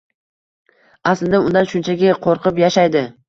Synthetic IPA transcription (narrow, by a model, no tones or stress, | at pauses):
aslɪd̪aʊnd̪anʃʊnt͡ʃʰaɡʲɪqʰoɾqʰɨpjaʃajd̪ɪ